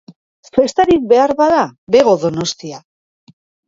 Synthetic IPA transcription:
fe̞st̪aɾik̚be̞aɾβaðaβe̞ɣo̞ðo̞no̞st̪ia

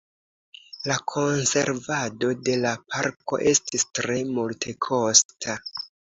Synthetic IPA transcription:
lakʰo̞nse̞̰ɾvado̞de̞lapʰaɾko̞̰ʔe̞stistɾe̞multʰe̞kʰo̞stʰa

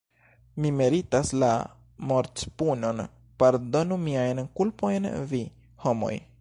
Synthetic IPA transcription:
mimeɾitasla̰ | moɾt͡spuno̞n | paɾdo̞numiajnkulpo̞jnvi | ho̞mo̞̰j

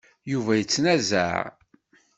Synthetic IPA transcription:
juvæjət͡sːnæzæ̰ʕ

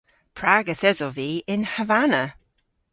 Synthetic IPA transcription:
pʰɹaɡəθɛzɔviːɪnhəvanə

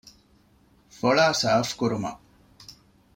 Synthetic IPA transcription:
foɭaːsaːfkuɾumɐ̰

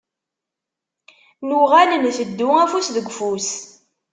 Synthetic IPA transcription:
nuʁænənθəd̪ːʊæfusðəɡʷfus

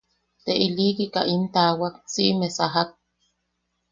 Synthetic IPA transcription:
t̪eʔilikika̰ʔint̪awak̚siʔmesaɦak̪̚

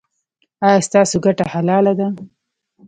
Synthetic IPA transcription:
ɑjɑst̪ɑsoɡaʈahalɑlad̪a

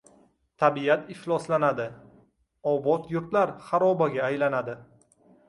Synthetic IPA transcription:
t̪ʰabiat̪ɪhlˠɒslanad̪ɪ | ɒwbɒt̪jʊɾt̪laɾχaɾɒbaɡʲaːjlanad̪ɪ

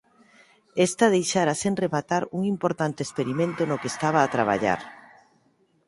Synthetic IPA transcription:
est̪aðejʃaɾasenremat̪aɾuŋimpoɾt̪ant̪eːspeɾimẽnt̪onokeːst̪aβ̞aːt̪ɾaβ̞a̰ʎa̰ɾ

